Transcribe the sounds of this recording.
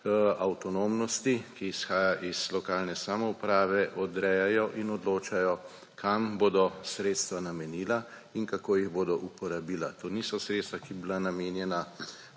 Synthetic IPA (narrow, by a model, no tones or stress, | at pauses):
awt̪ɔnoːmnɔst̪ikiːsxaːjaʔizlɔkaːlnɛsamɔupɾaːʋɛʔɔd̪ɾɛjajɔʔinɔd̪loːt͡ʃajɔ | kʰamboːd̪ɔsɾeːt̪st̪ʋanamɛniːla | iŋkakoːjiɣboːd̪ɔʔupɔɾabiːlat̪oːnisɔsɾet̪st̪ʋakibilanameːnjɛna